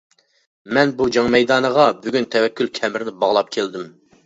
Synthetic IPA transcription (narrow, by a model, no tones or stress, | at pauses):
mɛnbud͡ʒɑŋmɛjd̪ɑːnəʁɑbyɡʲynt̪ʰɛwɛkʲːylkʲʰɛmɾnɪbɑʁlˠɑp̚kʲʰeld̪ɪm